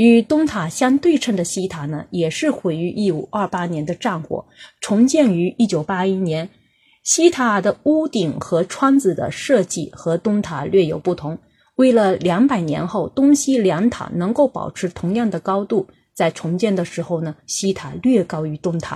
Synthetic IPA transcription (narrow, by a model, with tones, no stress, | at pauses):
y˧˥t̪ʊ˥ŋt̪ʰa˨˩ɕjɑ˥ŋt̪we˥˧ɪʈ͡ʂʰə˥˩d̪ə˩ɕi˥t̪ʰa˨˩nə˨jɛ˨˩ʂɻ̩˥˩xwe˧˥˩ɪy˧˥ʔi˥˩u˨˩ʔɐ˞˥˩pa˥njɛ˧˥nd̪ə˧ʈ͡ʂa˥˩nxwɔ̰˨˩˦ʈ͡ʂʰʊ˧˥ŋt͡ɕjɛ˥˩ny˧˥i˥˩t͡ɕjo˨˩ʊpa˥i˥njɛ˧˥n | ɕi˥t̪ʰa˨˩d̪ə˦u˥t̪i˨˩ŋxɤ˧˥ʈ͡ʂʰwa˥nt͡sɹ̩˨˩d̪ə̰˧˦ʂɤ˥˧t͡ɕi˥˩xɤ˧˥t̪ʊ˥ŋt̪ʰa˨˩lɥɛ˥˩jo˨˩ʊpu˥˩t̪ʰʊ˧˥ŋ | we˥˩ɪlə˩ljɑ˧˥ŋpa˨˩ɪnjɛ̰˧˥nxo˥˩ʊt̪ʊ˥ŋɕi˥ljɑ˧˥ŋt̪ʰa̰˨˩nɤ˧˥ŋko˥˩ʊpɑ̰˨˩ʊʈ͡ʂʰɻ̩˧˥t̪ʰʊ˧˥ŋjɑ˥˩ŋd̪ə˩kɑ˥ʊt̪u˥˩ | t͡sa˥˩ɪʈ͡ʂʰʊ˧˥ŋt͡ɕjɛ˥˩nd̪ə˩ʂɻ̩˧˥xo˥˩ʊnə˩ɕi˥t̪ʰa˨˩lɥɛ˥˩kɑ˥ʊy˧˥t̪ʊ˥ŋt̪ʰa̰˨˩˦